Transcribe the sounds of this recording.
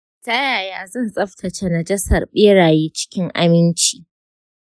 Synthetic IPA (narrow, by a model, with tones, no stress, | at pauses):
ta˦jaː˨jaː˦˨zɐ˦˨nsʼɐ˦ɸtʰɐ˨t͡ʃe˦na˨d͡ʒɛ˦sɐ̰˨rɓeː˦ɽaː˨jiː˦t͡ʃɪ̥˦kʲɪ˦ŋʔa̰˦mɪ˦nt͡ʃiː˨